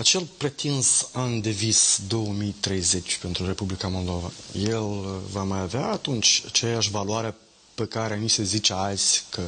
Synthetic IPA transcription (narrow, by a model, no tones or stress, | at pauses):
at͡ʃe̞lpɾe̞t̪insand̪e̞visd̪o̞wəmijt̪ɾe̞jze̞t͡ʃʲpe̞nt̪ɾuɾe̞publikamo̞ld̪o̞va̰je̞lvamajaveaːt̪unt͡ʃʲat͡ʃe̞jaʃ̬valuaɾea | pəkaɾeanise̞zit͡ʃealzʲkʰə